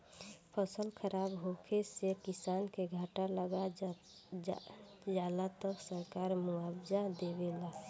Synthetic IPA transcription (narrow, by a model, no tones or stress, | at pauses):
pʰəsəlkʰəɾʔaːbɦokʰesekɪsaːnkeɡʱaːʈaləɡa | d͡ʒaːlat̪əksəɾkaːɾmuabd͡ʒad̪ebela